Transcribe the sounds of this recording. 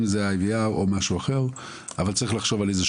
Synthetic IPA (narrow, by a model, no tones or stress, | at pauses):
mzeaeviaomaʃuaχe̞ʁ | avalt͡saʁiχlaχʃo̞valeze